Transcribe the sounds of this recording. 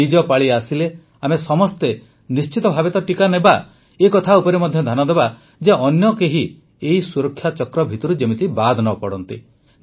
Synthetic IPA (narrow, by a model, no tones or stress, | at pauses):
id͡ʒɔpaɭiasile | amesɔmɔst̪e | nist͡ʃit̪ɔbʱabet̪ɔʈikaneba | ekɔt̪ʰaupɔɾemɔd̪ʱjɔd̪ʱanɔd̪eba | d͡ʒeʔɔnjɔkeɦi | eisuɾɔkʰːjat͡ʃɔkɾɔbʱit̪ɔɾud͡ʒemit̪ibad̪ʱnɔpɔɽɔnt̪i